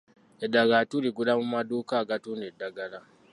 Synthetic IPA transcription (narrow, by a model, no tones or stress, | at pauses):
edːaɡatuliɡulamumaduːkaːɡatuːndedːaɡala